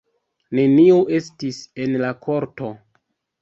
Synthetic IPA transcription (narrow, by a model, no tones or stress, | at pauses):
ne̞niuʔe̞stise̞nlakʰo̞ɾto̞